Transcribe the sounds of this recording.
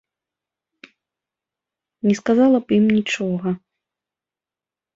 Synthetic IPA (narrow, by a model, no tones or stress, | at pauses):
nʲɛskazalˠɐpjimnʲit͡ʂɔɣɐ